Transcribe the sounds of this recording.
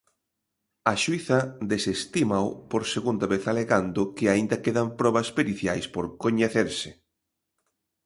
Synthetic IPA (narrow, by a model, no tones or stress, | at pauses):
ɐʃwiθɐd̪esest̪imaopoɾseɣund̪aβeθaleɣand̪ʊkɪaind̪ɐkeðampɾɔβɐspeɾiθjajspoɾkoɲeθeɾsɪ